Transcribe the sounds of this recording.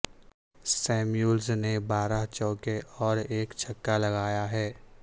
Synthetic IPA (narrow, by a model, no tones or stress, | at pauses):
sɛːmjuːlznebaːɾaɦt͡ʃɔːkeʔɔːɾeːkt͡ʃʰɐkːalɐɡaːjaɦɛː